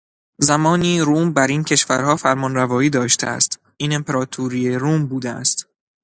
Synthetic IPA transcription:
zæmɒːniːɾuːmbæɾiːncʰe̞ʃvæɾhɒːfæɾmɒnrævɒːiːd̪ɒːʃt̪eæ̰st̪ | ʔiːne̞mpʰe̞ɾɒːt̪ʰuɾiːeɾuːmbuːd̪eæ̰st̪

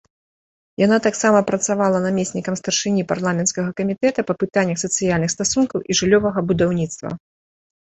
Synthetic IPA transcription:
janat̪aksamɐpɾɐt̪savalˠɐnamʲesʲnʲikɐmst̪ɐrʂɨnʲipa̰rlˠamʲɛnskɐɣɐkɐmʲit̪ɛt̪ɐpɐpɨt̪anʲːɐxsɐt̪sɨjalʲnɨxst̪asunkɐwʔiʐɨlʲːɔvɐɣɐbud̪awnʲit̪st̪vɐ̰

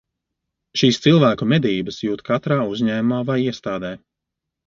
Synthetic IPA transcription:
ʃiːst̪silˠvæːkumɛd̪iːbəsjuːt̪kʰat̪ɾaːuzɲɛːmaːvajiɛst̪aːd̪ɛː

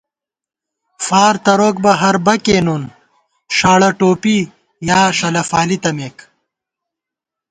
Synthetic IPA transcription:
faːɾt̪ɐɾoːk̚bɐɦɐɾbɐkeːnun | ʂaːɭɐʈoːpi | jaːʂɐlɐfaːlit̪ɐmeːk

